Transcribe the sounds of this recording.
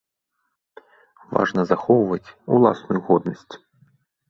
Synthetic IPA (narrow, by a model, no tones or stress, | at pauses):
va̰ʐnɐzaxɔwvɐt͡sʲṵlˠa̰snujuɣɔd̪nɐsʲt͡sʲ